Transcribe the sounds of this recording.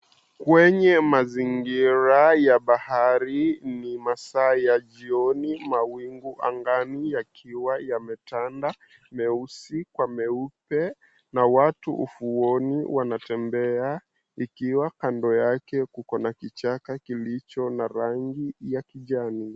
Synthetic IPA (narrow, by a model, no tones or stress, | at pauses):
kwɛɲɛmaziŋɡiɾajaɓahaɾinimasaːjaʄiɔnimawiŋɡuʔa̰ŋɡanijakʰiwajamɛtanda | mɛusikwamɛupɛ | nawatuʔṵfuɔniwanatɛmbɛa | ikiwakandɔjakɛkukɔnakit͡ʃakakilit͡ʃɔnaɾaŋɡijakiʄani